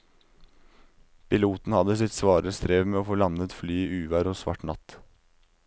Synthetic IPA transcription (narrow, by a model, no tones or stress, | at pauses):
pɪluːt̪n̩hɑd̪əsɪt̪sʋɑːɾəst̪ɾeːʋmeːoːfoːlɑnnət̪flyːiʔʉːʋæːɾosʋɑ̰ʈnɑ̰t̪